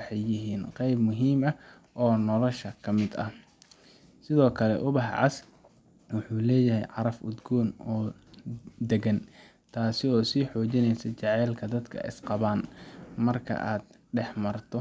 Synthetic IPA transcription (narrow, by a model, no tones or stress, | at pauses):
ħɛjːɪɦiːnqɛjbmʊɦiːmɐ | ʔɔːnɔlɔʃɐkʰɐmɪd̪ɐ̰ | sɪðɔːkʰɐlɛ̰ʔʊβɑħʕɑ̰s | wʊħuːlɛːjɐɦɛjʕɑɾɐfʊ̰d̪ɡɔːnɔː | d̪ɛɡɐn | t̪ʰaːsɪɔːsiːħɔːt͡ʃɪnɛjsɐt͡ʃɑʕɛːlkʰɐd̪ɐd̪kʰɐ̰ʔɪ̰sqɑβaːnmɐrkʰɐ̰ʔaːd̪̚ | ɖɛħmɐrt̪ʰɔ